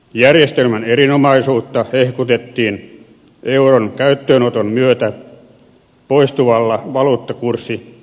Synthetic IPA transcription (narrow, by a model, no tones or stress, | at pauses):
jærjest̪elmænerinomɑisuːt̪ːɑhehkut̪et̪ːiːn | ʔeuronkæyt̪ːøːnot̪ommyøt̪æ | poist̪uʋɑlːɑʋɑluːt̪ːɑkursːi